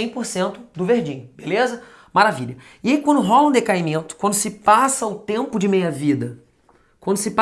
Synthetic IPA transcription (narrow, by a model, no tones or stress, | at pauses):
ẽj̃poɾsẽnt̪ʊd̪ʊveɾd͡ʒĩɲʊbelezɐ | maɾaviʎɐ | iaikwɐ̃nd̪ʊɦɔlɐũd̪ekaimẽnt̪ʊ̥kwɐ̃nd̪ʊsɪpasɐʊt̪ẽmpʊd͡ʒɪmĩjɐvid̪ɐ | kwɐ̃nd̪ʊsɪpa